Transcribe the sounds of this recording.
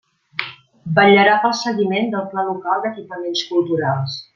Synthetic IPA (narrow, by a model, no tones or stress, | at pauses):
bəʎəɾapəlˠsəɣimend̪əlˠplalukalˠd̪əkipəmenskulˠt̪uɾalˠs